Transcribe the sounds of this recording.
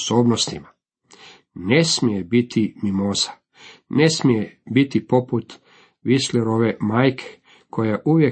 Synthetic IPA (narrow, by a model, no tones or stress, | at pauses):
soːbnost̪ima | nesmijebit̪ʰimimozḁ | ne̞smijebit̪ipo̞put̪ | ʋisleɾo̞ʋe̞maːjkʰe̥ | kʰojaʔuʋje̞